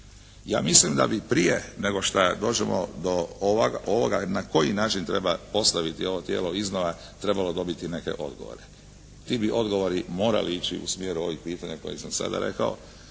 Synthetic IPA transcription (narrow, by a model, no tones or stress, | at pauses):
ja̰ːmislimd̪a̰bipɾijene̞ɡo̞ʃt̪ad̪o̞ːd͡ʑemo̰d̪ooʋaɡaʔo̞ʋo̞ɡanako̞jinaːt͡ʃint̪ɾe̞bapo̞st̪aʋit̪io̞ʋo̞t̪je̞ːlo̞iznoʋa | t̪ɾe̞balo̞d̪o̞bit̪ine̞ke̞̰ʔo̞d̪ɡoʋo̞̰ɾe | t̪iːbiʔo̞d̪ɡo̞ʋo̞ɾimo̞ːɾa̰liit͡ɕiṵsmjeːɾuo̞ʋiɡpiːt̪aɲako̞jesamsa̰d̪a̰ɾe̞̰kao